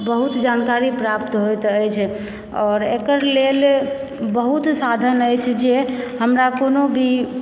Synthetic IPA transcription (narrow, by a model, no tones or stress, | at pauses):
bəɦut̪d͡ʒankaɾipɾapt̪ɦojt̪əjt͡ʃʰ | ɔːɾekəɾlel | bəɦut̪sad̪ʱənəjt͡ʃʰd͡ʒeɦəmɾakonobʱi